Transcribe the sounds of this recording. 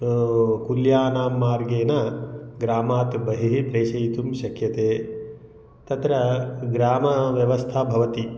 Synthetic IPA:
kuljaːnaːmːaːɾɡeːnɐɡɾaːmaːt̪bɐɦiɦipɾeːʃɐjit̪umʃɐkʰjɐt̪eː | t̪ɐt̪ɾɐɡɾaːmɐʋjɐʋɐst̪ʰabʱɐʋɐt̪i

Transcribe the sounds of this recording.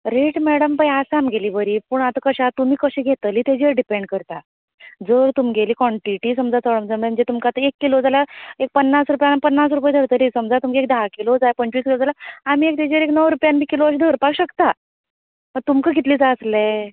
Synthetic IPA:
ɾeʈmɛɽəmpajasamɡʱeliːbəɾipuːɳat̪əkəɕat̪um̤iːkəɕeɡʱet̪əliːt̪ed͡ʑəɾɖipeɳɖ̚kəɾt̪a | d͡zəɾt̪umiɡʱeliːkɔɳʈiʈisəmd͡zat͡səɽəmd͡zəmə̃ɳd͡ʑet̪umkat̪əekːilod͡zalaek̚pənːasɾupjanpənːas̬ɾupajd̪ʱəɽt̪əliːsəmd͡zat̪umkaek̚d̪aɦakilod͡zajapənt͡ɕiːskilod͡zalaam̤iːek̚t̪ed͡ʑeəɾeknəwɾupjanbʱiːkiloəɕ̬d̪ʱəɾpakɕəkt̪a | məɡ̚t̪umkəɡʱit̪liːt͡sasle

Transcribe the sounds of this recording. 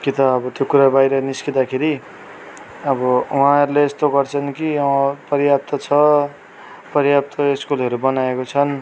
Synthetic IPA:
kit̪ʌʌbʌt̪jokuɾabajɾʌniskid̪akʰeɾi | ʌbʌuɦãʌɾuleest̪oɡʌrt͡sʰʌnkiʌpʌɾjap̚t̪ʌt͡sʰʌ | pʌɾjap̚t̪ʰʌeskulɦʌɾubʌnaekot͡sʰʌn

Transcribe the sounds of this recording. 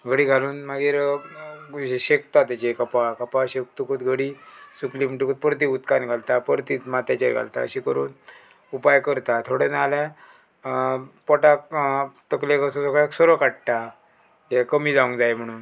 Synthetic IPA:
ɡʱəɽiːɡʱaluːnmaɡiːɾ | ɕekt̪at̪at͡ɕekapakəpaɕek̚t̪ukʰuːt̪ɡʱəɽiːsuklimiʈukuːt̪̚pəɾt̪̬iut̪kanɡʱalt̪apəɾt̪iːt̪mat̪at͡ɕḛɾɡʱa̰lt̪a̰ə̰ɕikəɾṵːn | upajkəɾt̪at̪ʰoɽenalɛ̃ | pɔʈakt̪əklekəsɔ̃sɔkksɔɾokaʈ̚ʈ̪a | d͡ʑɛkəmiːd͡zaũŋkd͡zajm̤əɽ̃uːn

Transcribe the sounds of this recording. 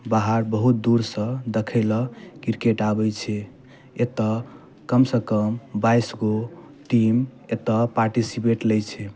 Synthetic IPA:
baɦaɾbəɦut̪̚d̪uɾsə̃d̪ekʰəɪlɔkiɾkeʈabɛt͡ʃʰɛ | et̪ɔ | kəmsəkəmbajsɡo | ʈimet̪ɔpaɾʈisipeʈlɛjt͡ʃʰɛ

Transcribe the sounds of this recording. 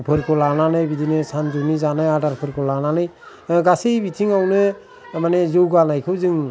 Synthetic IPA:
pʰɯɾkʰɔlananɯjbidinesand͡ʒunizanajadaɾpʰɯɾkʰɔlananɯj | ɡasijbitʰiŋawne | manezɯwɡanajkʰɯzɯŋ

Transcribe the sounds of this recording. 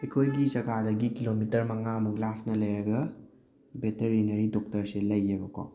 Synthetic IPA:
ekʰojɡizɐkʰadɐɡikilomitɐɾmɐŋamuklapʰnɐlɐjɾɐɡɐ | beteɾinɐɾidɔk̚tɐɾselɐjːebɐko̰w

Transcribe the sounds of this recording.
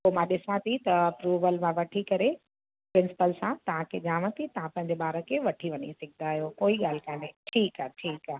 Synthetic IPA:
komãɗɪsãt̪ʰit̪ɐɐpɾuːʋəlmãʋɐʈʰikɐɾe | pɾɪ̃nsɪ̥pəlsãt̪ɐʋ̤ãkʰed͡ʑãːʋə̃t̪ʰit̪ɐɦãpɐ̃ɦɪ̃ɲd͡ʑeɓaːɾəkʰeʋɐʈʰiʋɐɲisɐɡʱɪnaːijokoːiɠaːl̤kãːneʈʰiːkaːʈʰiːkaː

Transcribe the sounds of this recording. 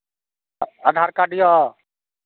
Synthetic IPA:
əd̪ʱaːɾkaːɖɪjɔ

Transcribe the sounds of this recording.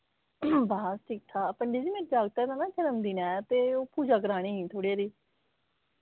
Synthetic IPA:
baːsʈʰik̚t̪ʰaːpəɳɖiːd͡ʒiːmeːɾd͡ʒaːɡ̚t̪aːɛd̪aːnãːt͡ʃəɾəmd̪iːnɛ̃ːt̪eːoːpuːd͡ʒaːkəɾaːɽ̃iːɦĩːt̪ʰoːɽeaːɾiː

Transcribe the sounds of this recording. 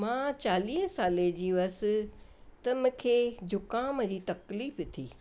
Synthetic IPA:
mãːt͡ɕaːliːɦə̃saːled͡ʑiːʋɐsɪ̆t̪ɐmʊ̃kʰeːd͡ʑʱʊkãmɐ̃d͡ʑiːt̪ɐkliːft̪ʰiː

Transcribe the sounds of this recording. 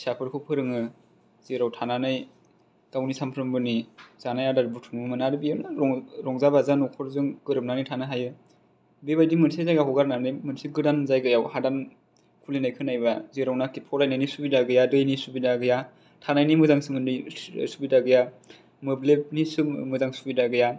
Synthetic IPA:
sapʰɯɾkʰɯpʰɯɾɯŋɯ | z̥eɾawtʰananɯj | tawnisampʰɾɯmbɯniz̥anajadaɾbutʰuŋɯmɯnaɾbijanaɔŋɾɔŋzabazanɔkʰɔɾzɯŋɡɯɾɯp̚nanɯjtʰanaɦajɯ | bebajdimɯnsazajɡaɦɔɡaɾnanɯjmɯnsiɡɯdanzajɡɯjawhadan | kʰulinajkʰɯnajbaziɾawnakipʰɔlajnajnisubidaɡɯjadɯjnisubidaɡɯja | tʰanajnimɯzaŋsɯŋɯnḭsubidaɡɯja | mɯblep̚nisɯmɯzaŋsubidaɡɯja

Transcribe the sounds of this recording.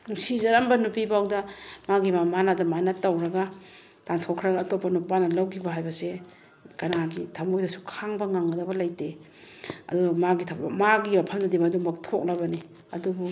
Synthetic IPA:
nusizɐɾambɐnupibawdɐmaɡimamanadɐmajnɐtːawɾɐɡa | tantʰɔkʰɾɐɡaːtopːɐnupanɐlawɡibɐɦajbɐse | kɐnaɡitʰamɡojdɐsu̥kʰaŋbɐŋaŋɐdɐbɐlajte | ɐ̰dumaɡitʰamaɡimapʰɐmdɐdemɐdumbɐtʰok̚lɐbɐni | ɐdubu

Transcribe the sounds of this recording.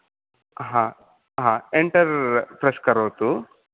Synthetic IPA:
ɦãː | ɦãːeɳʈɐɾpɾɐskɐɾoːt̪u

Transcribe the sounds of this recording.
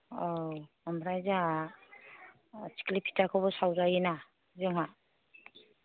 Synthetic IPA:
ɔ | ɔmɾajza | t͡ʃi̥klipʰi̥takʰɔbɔsawzajena | zɔŋa

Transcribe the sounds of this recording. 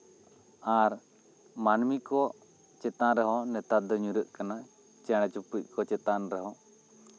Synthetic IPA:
aɾ | manmikɔ | t͡ʃɛt̪ãɾɛɦɔnɛt̪ad̪ɔɲuɾəʔkana | t͡ʃɛɽ̃ɛt͡ʃupuc̚ˀkɔt͡ʃɛt̪anɾɛɦɔ̃

